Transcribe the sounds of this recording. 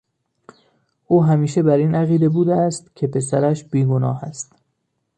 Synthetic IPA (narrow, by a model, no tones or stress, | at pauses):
ʔuːɦæmiːʃe̞bæɾiːnʔæɣiːd̪e̞buːd̪eæst̪cʲʰe̞pʰe̞sæɾæʃb̥iːɡonɒːhæst̪